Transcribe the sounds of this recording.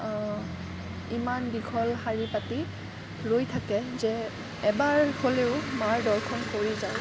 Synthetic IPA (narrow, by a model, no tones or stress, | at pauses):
imandiɡʰʱɔlxaɹipati | ɹojtʰakɛzɛː | baɹholeʊmaɹdɔlkʰɔnkoɹizaw